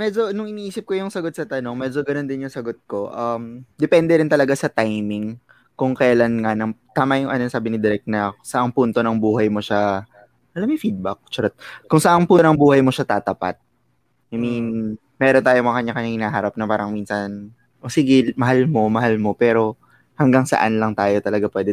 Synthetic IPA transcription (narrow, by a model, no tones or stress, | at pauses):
mɛd͡ʒo̞nʊŋʔɪniʔiːsɪp̚kojʊŋsɐɡot̪̚sɐt̪ɐno̞ŋmɛd͡ʒoɡɐnond̪ɪnjʊŋsɐɡot̪̚ko̞ʔɐmd̪ɛpɛnd̪ɛɾɪnt̪ɐlɐɡasɐt̪ajmɪŋ | kʊŋkɐjalanŋanɐŋt̪aːmɐjʊŋʔɐnosaːbɪnɪd̪ɪɾɛk̚t̪̚nɐkʊŋsɐʔaŋpuːnt̪o̞nɐŋbuːhɐjmo̞ʃa | ʔɐlamɪfid̪̚bɐk̚t͡ʃɐɾat̪̚kʊŋsɐʔaŋpunɐŋbuːhɐjmo̞ʃat̪aːt̪ɐpa̰t̪̚ | jɐmin | mɛːɾont̪aːjomɐŋkɐɲːakɐɲaŋhɪnaːɦaɾap̚nɐpaːɾɐŋmiːnsɐn | ʔosiɡɪmɐɦalmo̞mɐhalmo̞pɛːɾo̞ | hɐŋɡaŋsɐ̰ʔa̰nlɐŋt̪aːjo̞t̪ɐlɐɡapwɛːd̪ɛ